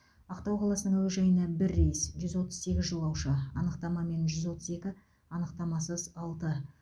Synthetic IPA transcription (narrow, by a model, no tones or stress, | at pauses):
ɑqt̪ɑwqʰɑlˠɑsənəɴweʒɑjənɑbɪɾːejsʒʏzwo̞t̪əzse̞ɡʲɪzʒəlˠɑwʃɑɑ̰nəqt̪ɑmɑme̞nʒʏzwo̞t̪əze̞kʲɪ | ɑnəqt̪ɑmɑsəzɑlˠt̪ə